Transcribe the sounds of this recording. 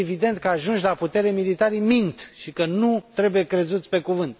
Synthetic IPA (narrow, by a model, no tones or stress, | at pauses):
evid̪e̞nt̪̚kəaʒunʃlaput̪e̞ɾemilit̪aɾimint̪ʃikənut̪ɾe̞buje̞kɾe̞zut̪sʲpe̞kuvɨnt̪̚